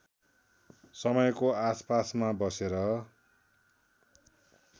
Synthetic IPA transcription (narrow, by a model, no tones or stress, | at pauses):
sʌmʌjkoaspasmabʌseɾʌ